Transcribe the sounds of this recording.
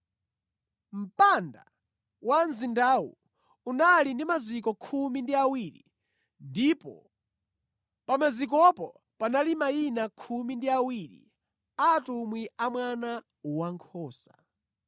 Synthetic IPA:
m̩panda̰ | wanzindawṵ | unalindimazikɔkʰumindiawiɾḭ | ndipɔ̰ | pamazik̬ɔpɔ | panalimainakʰumindiawiɾḭ | aːtumwiamwana | waŋkʰɔːsa

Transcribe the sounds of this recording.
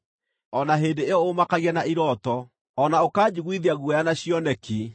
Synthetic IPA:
ɔnaɦeːndeeɔomakaɣiɛnaʔiɾɔtɔ | ɔnaokaːd͡ʑiɣwiðiaɣwɛjanaɕiɔnɛki

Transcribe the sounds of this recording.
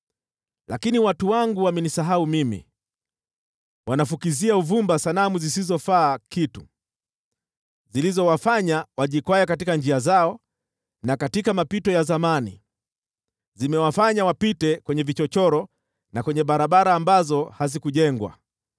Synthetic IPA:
lakiniwatuwaŋɡuwamɛnisaɦaumimḭ | wanafukiziauvumbasalamuzisizɔfaːkitu | zilizɔwafaɲawaʄikwajɛkatikand͡ʒiazaɔ | nakatikamapitɔjazamanḭ | zimɛwafaɲawapitɛkwɛɲɛvit͡ʃɔt͡ʃɔɾɔ | nakwɛɲɛɓaɾaɓaɾaːmbazɔhazikuʄɛŋɡwa̰

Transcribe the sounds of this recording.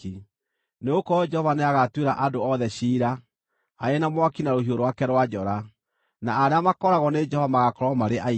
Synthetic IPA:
i | neokɔd͡ʒɛhɔvaneaɣatweɾaʔadoɔðɛɕiːɾa | aenamwakinaɾohioɾowakɛɾwad͡ʒɔɾa | naːɾeamakɔɾaɣɔned͡ʒɛhɔvamaɣakɔɾɔmaɾeʔa

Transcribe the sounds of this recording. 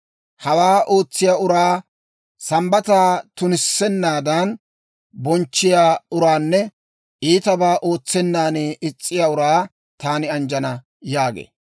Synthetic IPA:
hɐwaːʔo̞ːt͡sːɪjaːʊɾaː | sɐmbɐt̪aːt̪ʊnɪsːɛnːaːd̪ɐn | bɔnt͡ʃːɪjaːʊɾaːnːɛ | ʔiːt̪ɐbaːʔo̞ːt͡sːɛnːaːneɪt͡sʼːɪjaːʊɾaː | t̪aːnɪɐnd͡ʒɐnɐ | jaːɡḛː

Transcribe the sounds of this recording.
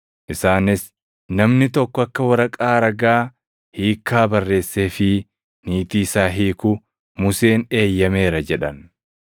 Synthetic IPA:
ʔɪsaːnɪs | nɐmnɪt̪ɔkːɔɐkːɐwɐɾɐkʼaːɾɐɡaː | hiːkːaːbɐrːe̞ːsːe̞ːfɪ | niːt̪iːsaːɦiːkʊ | mʊse̞ːne̞ːjːɐme̞ːɾɐd͡ʒɛᶑɐn

